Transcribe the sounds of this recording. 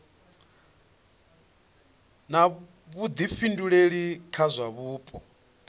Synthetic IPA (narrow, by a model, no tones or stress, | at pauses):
na | βud̪ifinduɺeɺikʰazʷaβuːpʼɔ